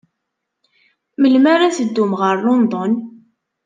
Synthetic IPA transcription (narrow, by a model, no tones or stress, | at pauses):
məlmaɾasəd̪ːumʁəɾːond̪ˤɔn